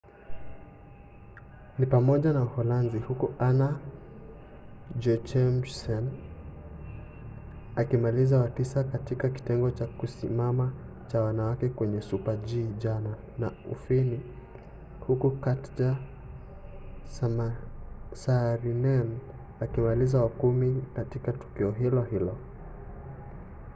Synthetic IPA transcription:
nipamɔʄanauhɔlanzihukuʔana | d͡ʒɔt͡ʃɛmsɛn | akimalizawatisakatikaki̥tɛŋɡɔt͡ʃakusḭmama | t͡ʃawanawakɛkwɛɲɛsupaʄiːʄana | naṵfini | hukukatd͡ʒa | saɾinɛn | akimalizawakumikatikatu̥kiɔɦilɔhilɔ

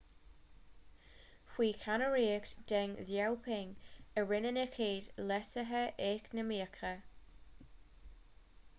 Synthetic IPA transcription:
xwiːkʰanəɹiːəkd̥ɛŋzjɛwpʰɪŋəɹɪnənəkʰeːdlɛsəɦəʔɛknəmiːəkʰɾə

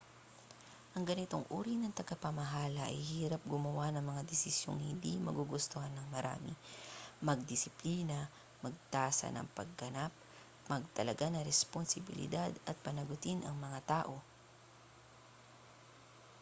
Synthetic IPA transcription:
ʔɐŋɡɐnɪt̪o̞ŋʔṵːɾinɐŋt̪ɐɡapɐmɐɦaːlɐʔɐ̰jhiːɾɐp̚ɡʊmɐwanɐŋmɐŋad̪ɪsɪsjo̰ŋhɪnd̪imɐɡuɡʊst̪ohanːɐŋmɐɾa̰ːmɪ̰mɐɡ̚d̪ɪsɪpliːnɐ | mɐɡ̚t̪aːsɐ̰nɐ̰ŋpɐɡ̚ːɐnap̚ | mɐɡ̚t̪ɐlɐɡanɐɾɛsponsɪbɪ̰lɪ̰d̪ad̪ɐt̪̚pɐnɐɡʊt̪inʔɐŋmɐŋat̪aːʔo̞

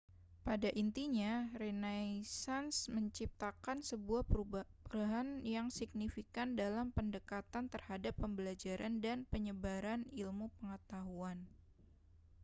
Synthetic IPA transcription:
padaʔint̪iɲaɾenajsansməɲt͡ʃip̚t̪akansəbuahpəɾaɦanjaŋsik̚nifikandalampəndəkat̪ant̪ərhadapːəmbəlad͡ʒaɾʔandanpəɲəbaɾanilmupəŋət̪aɦuan

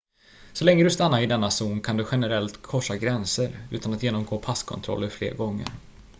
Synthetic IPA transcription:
sɔlɛŋːəd̪ɵst̪anːaɾɪd̪ɛnːasuːnkʰand̪ɵɧɛnəɾɛlt̪kʰɔʂːaɡɾɛnsəɾʉ̟ːt̪anat̪jeːnɔmɡoːpʰaskʰɔ̰nt̪ʰɾɔ̰lːəɾflḛːɾɡɔŋːə̰ɾ

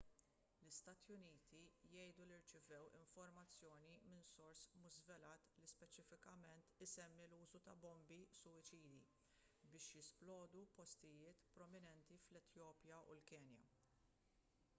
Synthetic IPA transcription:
lɪst̪ɐːt̪jʊniːt̪ʰijɛjd̪uliɾt͡ʃɪvɛwɪ̰ɱfɔɾmɐt͡sːjɔːnimɪnsɔɾsmʊʒzvɛlɐːt̪lispɛt͡ʃɪfɪkɐmɛnt̪ɪsɛmːiluːzut̪ɐbɔmbisʊɪt͡ʃiːd̪ḭ | bɪːʃjɪsplɔːd̪upɔst̪ɪjɪːt̪pɾɔmɪnɛnt̪iflɛt̪jɔːpjɐʔṵlkɛːnjɐ̰

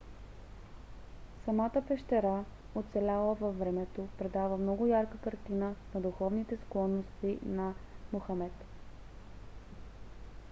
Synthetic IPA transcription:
sɐmat̪əpɛʃt̪ɛɾa | ot̪sɛlʲalˠəvɐfːɾɛmɛt̪opɾɛd̪avəmnɔɡʊjaɾkəkɐɾt̪inənɐd̪ʊxɔvnit̪ɛsklˠɔnːost̪inɐmoxɐmɛt̪

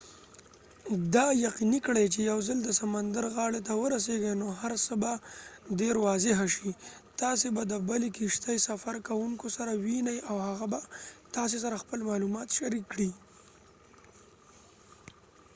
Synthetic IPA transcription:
d̪ɑjaqinikɽajt͡ʃejawzəld̪əsamand̪aɾɣɑɽet̪awəɾas̬eɡanoɦaɾsəbaɖeɾwɑzɪɦaʃit̪ɑs̬ebad̪əbəlekiʃt̪ajsafaɾkawuŋkosaɾawinajʔawhaɣabat̪ɑs̬es̬aɾaxpəlmɑlumɑt̪ʃaɾikːɽi

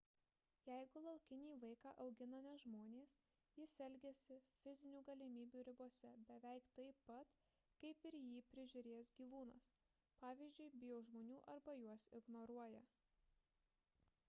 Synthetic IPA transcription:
jɛɪɡʊlˠɒʊkʲɪnʲiːʋɐɪkɑːʔɐʊɡʲɪnɐnʲɛʒmoːnʲeːs | jɪsʲɛlʲɡʲɛsʲɪfʲɪzʲɪnʲuːɡɐlʲɪmʲiːbʲuːɾʲɪbuɔsʲɛbʲɛʋʲɛɪkt̪ɐɪpɐt̪ | kɐɪpɪɾjiːpʲɾʲɪʒʲʊɾʲeːsɡʲiːʋuːnɐs | pɑːʋʲiːzʲd͡ʒʲʊɪbʲɪjoːʒmoːnʲuːʔɐɾbɐjuɔsɪɡnɔɾuɔjɛ

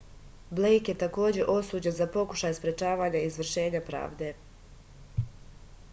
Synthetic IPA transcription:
blejkje̞t̪ako̞ːd͡ʑe̞ʔo̞suːd͡ʑenzapo̞ku̥ʃajspɾe̞t͡ʃaːʋaːɲaizʋr̩ʃe̞ːɲapɾa̰ːʋd̪e̞

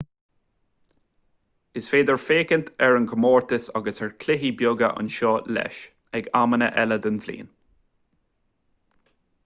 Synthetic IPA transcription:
ɪsfeːd̪əɹfeːkənt̪ʰɛɹənkʰəmɔːɹt̪əsɑɡəsɛɹkʰlɪɦibjʊɡə̰ʔə̰nʃɔːlɛ̰ʃ | ɛɡamənə̰ʔɛləd̪ənvlḭːn

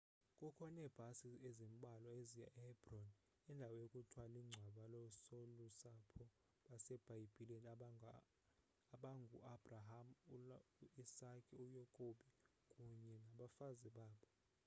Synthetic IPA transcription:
kʼukʰɔnɛb̥ʱasiezim̩ɓʱalɔezija̰ʔɛhɛbrɔn | ɛndʱawɔjokʼutʰwaliŋ͡ǀʱwaɓalɔsolusapʰɔ | ɓasɛb̥ʱaib̥ʱilɔn | aɓaŋɡʱuabraɦamuisakʼiujɔkʼoɓi | kʼuɲɛŋɡʱaɓafaziɓaːɓɔ

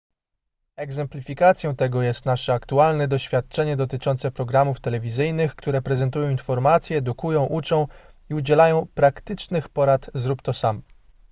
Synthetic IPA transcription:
ɛɡzɛmplʲifʲikat̪sʲjɔ̃w̃t̪ɛɡɔjɛst̪naʂɛakt̪ualnɛd̪ɔɕfʲjat̪̚t͡ʂɛɲɛd̪ɔt̪ɘt͡ʂɔnt̪sɛpɾɔɡɾamuft̪ɛlɛvʲizɘjnɘxkt̪uɾɛpɾɛzɛnt̪ujɔ̃w̃infɔɾmat̪sʲjɛːd̪ukujɔ̃w̃ʔut͡ʂɔ̃w̃iud͡ʑɛlajɔ̃w̃pɾakt̪ɘt͡ʂnɘxpɔɾat̪zɾupt̪ɔsamɔ

